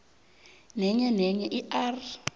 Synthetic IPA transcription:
nɛɲɛnɛɲɛʔiar

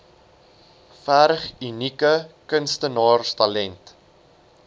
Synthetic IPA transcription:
fæːɾəχynikəkənstənɑːrstɐlɛnt

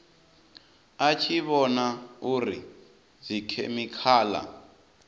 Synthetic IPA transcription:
at͡ʃʰiβɔnauɾi | zikʰḛmikʰaːla̰

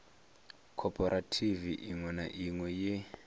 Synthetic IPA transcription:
kʰɔpʰʼɔɾʔatʰiviʔiŋwɛnaʔiŋwɛje

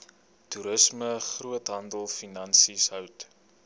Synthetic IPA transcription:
tuɾəsməχruətɦɐndəlˠfinɐnsisɦœwt

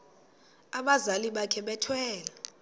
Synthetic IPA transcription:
aɓazaliɓakʰɛɓɛtʰwɛːla

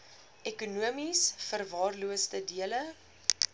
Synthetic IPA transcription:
ʔɛkunuəmisfərvɑːrluəstədiələ

